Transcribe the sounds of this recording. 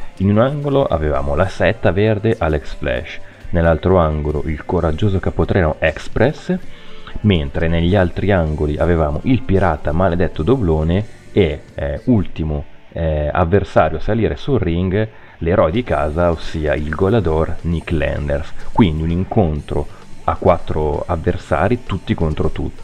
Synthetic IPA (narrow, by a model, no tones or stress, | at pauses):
inunaŋɡoloʔa̰veva̰ːmolasɛt̪ːaverd̪eʔaleksflɛ̰ʃ | nelːalt̪ɾoaŋɡolo̰ʔilkoɾad͡ʒːoːzokapːot̪ɾɛːanoʔɛkspɾɛs | ment̪ɾeneʎːialt̪ɾiaŋɡoliʔa̰vevaːmo̰ʔilpiɾaːt̪amaled̪ɛt̪ːod̪obloːneeult̪imo | a̰vːersaːɾjoasaliːɾʔesulriŋɡ | leɾɔjd̪ikaːzaosːiːailɡolad̪orniklɛ̰nd̪ḛrskwind̪iuniŋkont̪ɾoa̰kːwat̪ːɾoavːersa̰ːɾit̪ut̪ːikont̪ɾot̪ṵt̪ːi